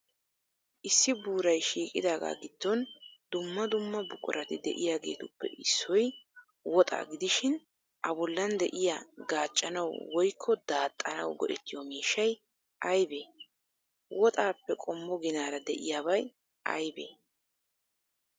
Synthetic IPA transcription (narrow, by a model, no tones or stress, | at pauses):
ʔɪsːɪbuːɾɐjʃiːkʼɪd̪aːɡa̰ːɡɪd̪ːɔnd̪ʊmːɐd̪ʊmːɐbʊkʼʊ̰ɾɐt̪ɪd̪ɛʔɪjaːɡe̞̰ːt̪ʊpːɛ̰ʔɪsːɔj | wɔt̪ʼa̰ːɡɪd̪ɪʃɪn | ʔɐbɔlːɐnd̪ɛʔɪjaɡaːt͡ʃʼːɐnɐwwɔjkʰːɔd̪aːt̪ʼːɐnɐwɡɔ̰ʔɛt̪ːɪjɔmiːʃːɐj | ʔɐjbeː | wɔt̪ʼaːpːɛkʼɔmːɔɡɪnaːɾɐd̪ɛʔɪjaːβɐj | ʔɐ̰jbḛː